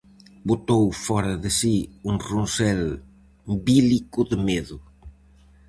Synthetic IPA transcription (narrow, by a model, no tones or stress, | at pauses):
bot̪owfɔɾɐðɪsiuŋrunsɛl | bilikʊðɪmeðʊ